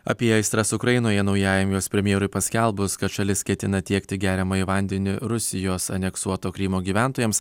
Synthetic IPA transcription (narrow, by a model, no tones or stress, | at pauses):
ɐ̰pʲiɛɐɪst̪ɾɐsʊkɾɐjɪnoːjɛnɒʊjæːjɛmjoːspʲɾʲɛmʲjeːɾʊɪpɐsʲkʲɛlˠbʊskɐt̪ʃɑlʲɪskʲɛt̪ʲɪnɐt̪ʲiɛkt̪ʲɪɡʲæːɾʲɛmɐːɪʋɐˑnʲd̪ʲɛnʲɪɾʊsʲɪjoːsɐ̰nʲɛksuɔt̪oːkɾʲɪmoːɡʲiːʋʲænt̪oːjɛms